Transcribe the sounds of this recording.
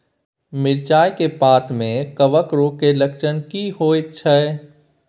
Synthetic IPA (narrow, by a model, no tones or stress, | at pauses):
mɪɾt͡ʃaːjkepaːt̪mẽkəʋəkɾokelɐkʃənkiɦoːɪtːʃʰəɛː